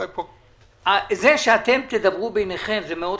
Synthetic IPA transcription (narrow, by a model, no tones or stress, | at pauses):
po | azeʃeat̪e̞mt̪ed̪abʁubejneχe̞mzemeo̞d̪